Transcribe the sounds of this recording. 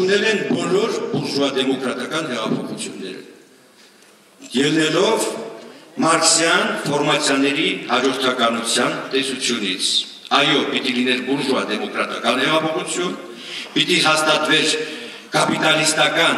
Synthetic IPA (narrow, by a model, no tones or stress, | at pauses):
unɛlɛnbɔlɔɾbuɾʒuvɑd̪ɛmɔkɾɑt̪ɑkɑnɦɛʁɑpʰɔχut͡sʰjunːɛ̰ɾə̰ | jɛlnɛlɔv | mɑɾkʰsjɑnfɔɾmɑt͡sʰjɑnɛɾihɑd͡ʒɔɾt̪ʰɑkɑnut͡sʰjɑnt̪ɛsut͡sʰjunḭt͡sʰ | ɑjɔpit̪ilinɛlbuɾʒuɑd̪ɛmɔkɾɑt̪ɑkɑnhɛʁɑpʰɔχut͡sʰjun | pit̪iɦɑst̪ɑt̪vɛɾ | kɑpit̪ɑlist̪ɑkɑn